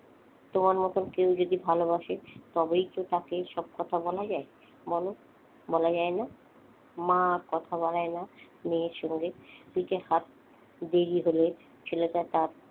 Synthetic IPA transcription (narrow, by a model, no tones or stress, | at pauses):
t̪omaɾmot̪onkewd͡ʑod̪ibʱalobaʃet̪ɔbejt̪ot̪akeʃɔb̚kɔt̪ʰabɔlad͡ʑae | bɔlo | bɔlad͡ʑaena | mãɾkɔt̪ʰabaɽaena | neʃɔŋɡepiʈehat̪̚ | d̪eɾiɦole | t͡ɕʰeleʈat̪aɾ